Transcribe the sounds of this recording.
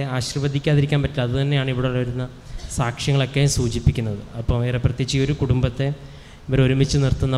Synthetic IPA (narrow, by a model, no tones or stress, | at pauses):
aːɕrɐʋɐd̪ʱikʲːaːðiɾikʲːaːnpɐtːilɐɐðɨt̪ɐnːe̞jaːɳɨiʋiɽelːʋɐɾunːɐ | saːkʂjɐŋːɐɭo̞kːesuːt͡ɕipːikʲːunːɐðɨɐpːɐːmʋeːreprɐt̪jet͡ɕːio̞ɾukuɽumbɐt̪ːe | ʋɐɾoɾumit͡ɕːɨnirt̪unːɐ